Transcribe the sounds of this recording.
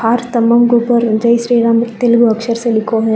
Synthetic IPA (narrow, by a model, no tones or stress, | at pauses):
aːɾt̪ɐmːɐmɡuːpɐɾd͡ʒɐjʃɾiːɾaːmt̪ilɡuɐkʂɐɾselikʰːoː